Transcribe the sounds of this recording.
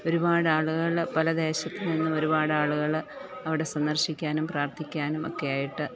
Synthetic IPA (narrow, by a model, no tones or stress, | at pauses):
o̞ɾubaːɽaːɭuɣɐɭpɐlɐd̪e̞ːɕɐt̪ːinninːumoɾubaːɽɨaːɭuɣɐɭ | ɐʋiɽe̞sɐnd̪ɐrɕikʲːaːnumpraːrt̪ʰikʲːaːnumo̞̰kːe̞jaːjiʈːɨ